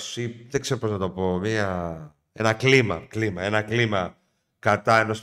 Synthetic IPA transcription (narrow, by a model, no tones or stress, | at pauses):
siðekse̞ɾopo̞znɐt̪o̞po̞miɐ | e̞nɐklimɐ̰klimɐe̞nɐklimɐ | kɐt̪ɐe̞nos